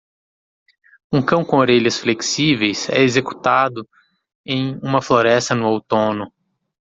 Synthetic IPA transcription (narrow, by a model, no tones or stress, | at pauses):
ũkɐ̃w̃kõoɾeʎɐsfleksivejsɛ̰ezeku̥t̪ad̪ʊ | ẽj̃ũmɐfloɾɛst̪ɐnʊowt̪õnʊ